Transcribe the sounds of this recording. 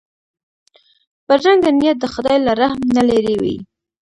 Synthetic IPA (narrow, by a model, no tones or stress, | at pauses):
pəɾʒaŋɡd̪əmnijat̪̚d̪əxad̪ɑjlaɾahmnaleɾewḭ